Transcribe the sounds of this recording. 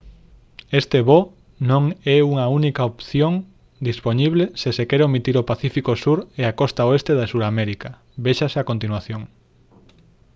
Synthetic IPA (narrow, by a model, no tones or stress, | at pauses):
est̪eβo | nõŋɛuŋɐunikaopθjoŋ | d̪ispoɲiβlesesekɛɾomit̪iɾopaθifikosuɾeakɔst̪aoest̪eðasuɾamɛɾikɐ | beʃɐseakõnt̪inwaθjõŋ